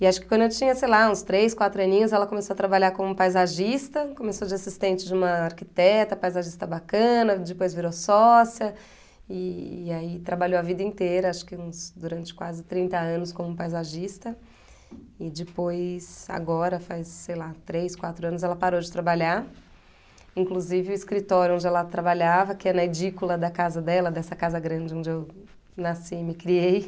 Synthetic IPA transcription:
ɪaʃʊ̥kɪkwɐ̃d̪ʊewt͡ʃĩɲɐsejlaũst̪ɾejskwat̪ɾʊɐnĩɲʊzɛlɐkõmesoɐt̪ɾabaʎaɾkõmʊũpajzaʒist̪ɐkõmesod͡ʒɪasist̪ẽnt͡ʃɪd͡ʒɪũmɐaɾkit̪ɛt̪ɐpajzaʒist̪ɐbakɐ̃nɐd͡ʒɪpojzviɾosɔsiɐ | ɪait̪ɾabaʎowɐvid̪ɐĩt̪eɾɐaʃʊ̥kɪũsd̪uɾɐ̃nt͡ʃɪ̥kwazɪt̪ɾĩnt̪ɐɐ̃nʊskõmʊũpajzaʒist̪ɐ | ɪd͡ʒɪpojsa̰ɡɔɾɐfasːejlat̪ɾejskwat̪ɾʊɐ̃nʊz̬ɛlɐpaɾowd͡ʒɪt̪ɾabaʎaɾ | ĩŋkluzivɪʊɪskɾit̪ɔɾjʊõd͡ʒɪɛlɐt̪ɾabaʎavɐkɪɛnɐed͡ʒikʊlɐd̪ɐkazɐd̪ɛlɐd̪ɛsɐkazɐɡɾɐ̃d͡ʒɪõd͡ʒɪew | nasimɪkɾiej

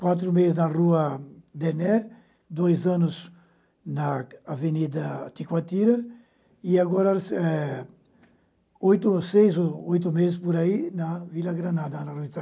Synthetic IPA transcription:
kwat̪̬ɾʊmezɪznɐruɐd̪enɛ | d̪ojzɐ̃nʊs | nɐavenid̪ɐt̪ikwat̪iɾɐ | iaɡɔɾɐasɛ | ojt̪ʊsejzoojt̪̬ʊmezɪspoɾainɐvilɐɡɾanad̪ɐnɐruit̪a

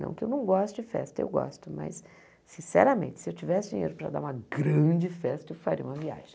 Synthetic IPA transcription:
nɐ̰̃w̃kɪḛwnɐ̃w̃ɡɔst̪ʊd͡ʒɪfɛ̰st̪ɐḛwɡɔ̰st̪ʊmɐ̰sː | ĩsɛ̰ɾɐmḛ̃nt̪ɪ̥sɪewt͡ʃivɛsɪd͡ʒiɲḛjɾʊpɾɐd̪a̰ɾũmɐɡɾɐ̃d͡ʒɪfɛst̪ɐewfaɾḭɐũmɐvia̰ʒẽj

